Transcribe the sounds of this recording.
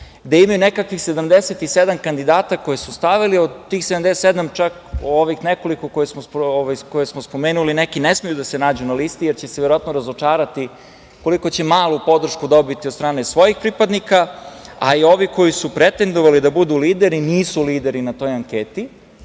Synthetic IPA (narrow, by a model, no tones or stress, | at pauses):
d̪aimajunekakʋixse̞d̪amd̪eset̪ised̪amkand̪id̪aːt̪ako̞jesust̪aʋiliod̪t̪ːiːxsed̪amd̪est̪ed̪amt͡ʃak | oʋixneko̞likokojesmooʋajkojesmospo̞meːnulinekinesmijud̪asenaːd͡ʑunalist̪ijeɾt͡ɕeseʋjeɾoat̪noɾazot͡ʃaːɾat̪i | ko̞liko̞t͡ɕe̞maːlˠupo̞d̪r̩ʃkud̪o̞bit̪iod̪st̪ɾaːnesʋo̞jixpɾipad̪nikaa̰io̞ʋiko̞jisupɾet̪end̪o̞ʋalid̪abud̪uliːd̪e̞ɾiniːsuliːd̪e̞ɾinat̪o̞ːjaŋkeːt̪i